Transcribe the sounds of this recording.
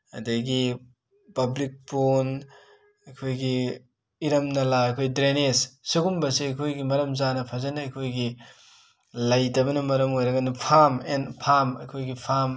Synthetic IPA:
ɐ̰dɐɡi | pɐblik̚pon | ɐjkʰojɡi | iɾɐmnɐlaɐjkʰojdɾenessuɡumbɐsiɐjkʰojɡimɐɾɐmzanɐpʰazanɐɐjkʰojɡi | lajtɐbɐnɐmɐɾɐmojɾɐɡɐnɐpʰamenpʰamɐ̰jkʰojɡipʰam

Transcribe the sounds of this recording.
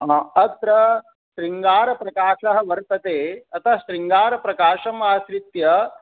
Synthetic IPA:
ɦãːɐt̪ɾɐ | ʃɾiŋɡaːɾɐpɾɐkaːʃɐɦɐ̆ʋɐɾt̪ɐt̪eːɐt̪ʰɐʃɾiŋɡaːɾɐpɾɐkaːʃɐmaːsɾit̪jɐ

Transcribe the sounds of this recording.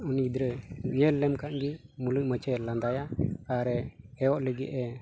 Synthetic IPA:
unid̪ɾəɲɛlːɛmkaʔɡimuluʔ̚mət͡ʃɛland̪ajat̪aɾɛɛjɔʔləɡɛ̰ʔɛ

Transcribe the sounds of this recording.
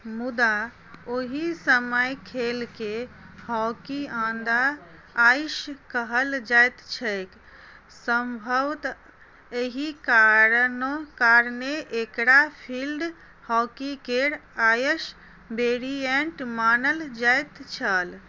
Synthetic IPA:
mud̪a | oɦisəməjkʰelkehɔkiãnd̪aː | jʃkəɦəld͡ʒajt̪t͡ʃʰəjk | səmbʱəʋt̪ | eɦikaɾənokaɾneʔekɽapʰilɖ | hɔkikeɾajəʃ | beɾieɳʈmanəld͡ʒajt̪t͡ʃʰəl

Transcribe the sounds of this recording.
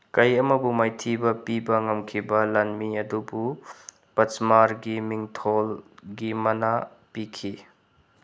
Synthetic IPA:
kɐjɐmɐbumajtʰibɐpibɐŋɐmkʰibɐlanmiɐdubu | pɐt͡ʃmaɾɡimiŋtʰolɡimɐna | pikʰi

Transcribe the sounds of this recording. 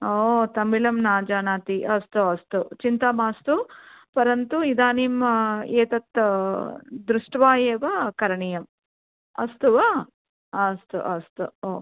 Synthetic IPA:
oːt̪ɐmilɐmnaːd͡ʒaːnaːt̪iʔɐst̪uɐst̪ut͡ʃint̪aːmaːst̪upɐɾɐnt̪uid̪aːniːmeːt̪ɐt̪ | d̪ɾuʂʈʋaːjeːʋɐkɐɾɐɳijɐm | ɐ̰st̪uʋɐ | ɐst̪ṵʔɐst̪uo̰ː

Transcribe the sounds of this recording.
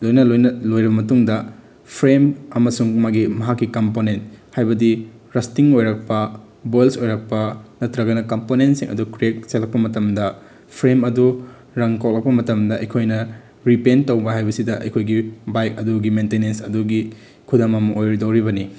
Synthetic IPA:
lojnɐlojnɐlojɾɐbɐmɐtuŋdɐ | pʰɾemɐmɐsuŋmaɡimɐɦakːikɐmponent̚hajbɐdi | ɾɐstiŋojɾɐk̚pɐ | bojlsojɾɐk̚pɐnɐtɾɐɡɐnɐkɐmponentsḭŋʔɐ̰dukɾiek̚selɐk̚pɐmɐtɐmdɐ | pʰɾemɐdu | ɾɐŋkok̚lɐk̚pɐmɐtɐmdɐʔɐjkʰojnɐ | ɾipentowbɐɦajbɐsidɐʔɐ̰jkʰojɡibajk̚ɐduɡimentenensɐduɡi | kʰudɐmɐmɐʔojɾidowɾiβɐni

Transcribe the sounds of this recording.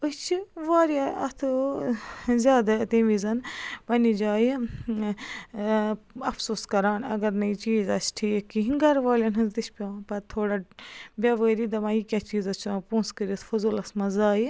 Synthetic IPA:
ɨt͡ʃʰiʋaːɾjaɐt̪ʰu | zʲjaːd̪ɐt̪ẽːʋizɐnpɐnid͡ʒaːji | ɐfsoːskɐɾaːnɐ̰ɡɐɾnɐit͡ʃiːzɐsʈʰiːkiɦiɡɐɾʋaːlʲɐnɐd̪iʃʰpʲoːpɐt̪ʰoːɽabʲaːʋəːɾiːd̪ɐmãjikʲat͡ʃiːzɐt͡ʃʰãːpũːnskəɾɐt̪ʰfɐzuːlɐsmɐ̃zaːi

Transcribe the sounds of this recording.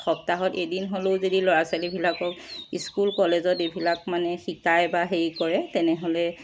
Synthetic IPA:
xɔp̚taɦɔtedinɦoloʊzodilɔɹasalibʱilakɔkiskulkɔlezɔtebʱilak̚manɛxikajbaɦeɹikɔɹɛtɛnɛɦolɛ

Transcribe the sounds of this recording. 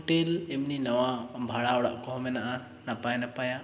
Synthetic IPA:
ʈelɛmninɐwabʱaɽaɔɽa̰ʔkɔɦmɛnaʔa | napajnapaja

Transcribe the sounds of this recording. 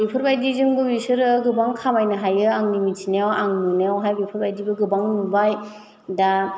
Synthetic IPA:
bipʰɯɾbajdizɯmɡɯbisɯɾɯɡɯbaŋkʰamajnɐɦajɯaŋnimitʰineawaŋnuneawɦajbipʰɯɾbajdibɯɡɯbaŋnubaj | da

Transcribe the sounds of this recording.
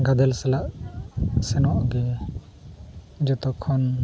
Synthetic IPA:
ɡad̪ɛlsɛlaʔ | sɛnɔʔɡɛ | d͡ʒɔt̪ɔkʰːɔn

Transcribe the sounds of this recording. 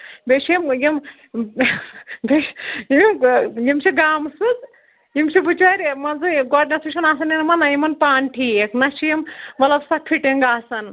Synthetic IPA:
bʲeʃiɐmjim | bejimimjimt͡ʃʰiɡaːmsɨt͡s | jimt͡ʃʰibut͡ʃʋaːɾʲmɐnzɨɡɔʈnʲɐsuʃʰɐnaːsɐnenmɐnɐjimɐnpaːɳʈʰijeknɐʃijimʋɐlɐbsɐkʰiʈiŋɡaːsɐn

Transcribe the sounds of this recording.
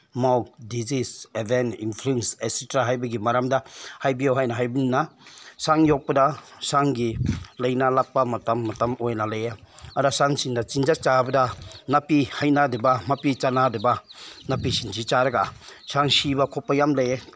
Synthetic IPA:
mawk̚dizisebeninpʰɾiŋsesitɾaɦajbɐɡimaɾamdahajbijawɦajnaɦajbinnasaŋjɔk̚pɐdasaŋɡilɐjnalap̚pːamatamːatamojnalajaaɾasaŋsiŋdat͡ʃind͡ʒat͡ʃabɐdanapihajnadebamapit͡ʃanadebanapisinsʰit͡ʃaɾɐɡasaŋsibakʰɔpːajamlaje

